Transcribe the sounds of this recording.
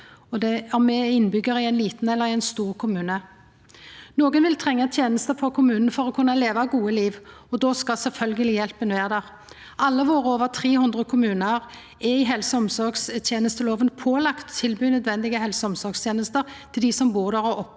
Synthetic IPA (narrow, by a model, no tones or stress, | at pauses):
ɔd̪ɛɔmːɛɪnbʏɡːəʁɪɛɪnliːt̪n̩ɛlːəʁɪɛnst̪uːʁkʰʊmʉːnə | noːɡənʋɪlt̪ʰʁɛŋːət̪ʰjeːnəst̪əfɔkʰʊmʉːnn̩fɔɾɔkʰʉnːɑleːʋɑɡuːəliːʋɔd̪ɔskɑsɛlfœlɡəlɪjɛlpənʋeːʁd̪æʁ | ʔɑlːəʋoːɾəoːʋəʁt̪ʰʁeːhʉnd̪ʁəkʰʊmʉːnəʁ | ɛɪɦɛlsəɔmsɔɾɡst̪ʰjeːnəst̪əloːʋənpʰoːlɑkt̪ʰːɪlbyːnœd̪ʋɛnd̪ɪɡəɦɛlsəɔmsɔʁɡst̪ʰjeːnəst̪əʁt̪ʰɪld̪ɪsɔmbuːʁd̪æʁɔʔɔp